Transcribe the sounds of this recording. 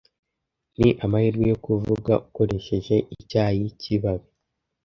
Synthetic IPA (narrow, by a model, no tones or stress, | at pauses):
niʔamahiɾɡwujo̞kuvuɡa̰uko̞ɾe̞ʃe̞ʒe̞ʔicaːjiciβaβi